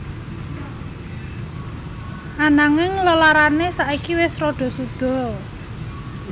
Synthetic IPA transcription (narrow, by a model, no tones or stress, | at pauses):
ʔanaŋɪŋlolaɾanesaʔikiwɪsrɔɖ̪̥ɔ̤sud̪̥ɔ̤